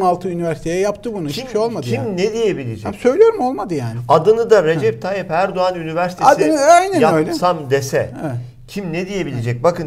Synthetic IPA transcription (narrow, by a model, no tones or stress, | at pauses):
malˠt̪ʰɯynivæɾsi̥t̪ejɛjapt̪ʰɯbunuit͡ʃmi̥ʃo̞lˠmad̪ɯimned̪ijebilʲed͡ʒɛæmsø̞jlʲijo̞ɾumo̞lˠmad̪ɯjaːnɪad̪ɯnɯd̪aɾe̞d͡ʒɛp̚t̪ʰajipæɾd̪oanynivæɾsi̥t̪ad̪ɯnajnɛnjaøjlʲɛsamd̪esɛɛɛ | cʰimned̪ije̞bilʲed͡ʒɛc̚bakɯn